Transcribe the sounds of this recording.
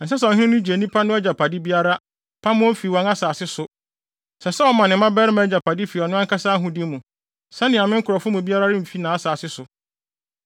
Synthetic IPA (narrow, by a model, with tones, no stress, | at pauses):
n̩˨s̬ɛ˦s̬ɛ̃˨hɪ̃˦ɪ̃˦nʊ̃˦d͡ʑe˨nĩ˦pʰa˦nʊ̃˦ɔ˦d͡ʑa˨pʰa˨di˦bi˦a˦ɾa˦ | pʰa˦mʊ̃˦fi˨wɔ̃˨na˦saː˨sɪ˦sʊ˨ | sɛ˨sɛ˦ɔ˦mã˨nɪ̃˨˦mã˦bɛ˦ɾɪ˦mã˨˦d͡ʑa˨pʰa˨di˦fi˨ɔ˨nʊ̃˦a˦ŋkʰa˦saː˦ɦʊ̃˦di˦mũ˨ | sɛ˦nɪ̃˨a˨mɪ̃˦ŋ˦kʰʊ˨ɾɔ˨fʊ˦mũ˨bi˦a˦ɾa˦ɾɪ˦m̩˨fi˦nãː˨˦a˦saː˨sɪ˦sʊ˨